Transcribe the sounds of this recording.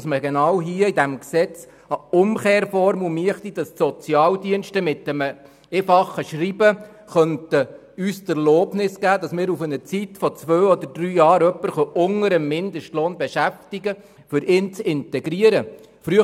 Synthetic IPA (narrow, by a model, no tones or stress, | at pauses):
sməɡenɑwɦiːəid̪æmksɛt͡s | ɑʊmkeːɾfɔɾmumiəχt̪id̥ɑssɔt͡sjɑːwdiənʃtəmɪtːəmə | eːfɑχːəʃribə | χœntə | yːstɛɾloːpnɪsɡ̥æːd̪ɑsmɪːɾufənət͡sit̪fɔt͡sʋøːɔd̪əɾd̥̪ɾyːjɑːɾœpːəɾχœʔʊŋəɾəmːɪnd̪əʃtloːnbeʃæft̪iɡə | fʏɾʔɪːnt͡sɪntɛɡɾiəɾə | fɾyə